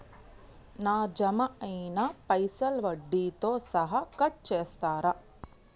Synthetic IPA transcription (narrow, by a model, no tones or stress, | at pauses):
naːd͡ʒɐmɐɐjnɐpɐjsɐlʋɐɖːiːt̪oːsɐɦɐkɐʈ̚t͡ʃeːst̪aːɾɐ